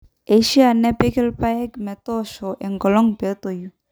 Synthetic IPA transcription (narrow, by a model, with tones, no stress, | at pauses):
e˨ʃi˦a˨nɛ˦pe˦kɛ˦lpa˦ɛ˦ɡmɛ˨t̪ɔ˦ʃɔ˨ʔɛ˨ŋɡɔ˨lɔ˦ŋbɛ˨˦t̪o˨ju˦